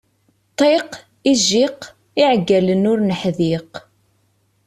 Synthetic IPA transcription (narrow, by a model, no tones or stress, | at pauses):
t̪ˤːeq | iʒiq | iʕɡːælənʊɾnəħðiq